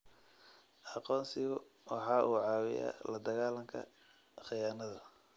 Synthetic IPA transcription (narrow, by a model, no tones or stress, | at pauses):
ʔɑqɔːnsɪɣʊ | wɑħɑːʔuːʕɑːwɪ̰ja̰ːlɐd̪ɐɣaːlɐŋkʰɐ̰ | χɪjaːnɐðɐ